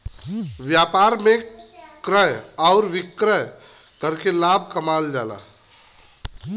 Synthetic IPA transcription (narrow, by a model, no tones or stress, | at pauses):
ʋjaːpaːɾmẽkɾəjɔːɾʋɪkɾəj | kəɾkelaːb̚ʱkəmaːld͡ʒa̰ːla̰ː